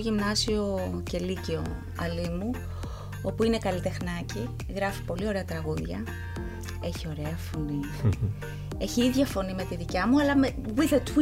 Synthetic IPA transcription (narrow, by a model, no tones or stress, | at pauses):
ʝimnɐsio̞ce̞liceo̞ | ɐlimu | o̞puine̞kɐlit̪e̞xnɐci | ɣɾɐfi̥po̞lio̞ɾe̞ɐt̪ɾɐɣuðʝɐ | e̞çio̞ɾe̞ɐfo̞ni | e̞çiiðʝɐfo̞nime̞t̪iðicɐmuɐlɐmewiðet̪w